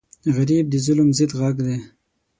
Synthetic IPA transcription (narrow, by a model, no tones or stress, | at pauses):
ɣaɾib̚d̪əzʊlmzɪd̪ɣaɡd̪e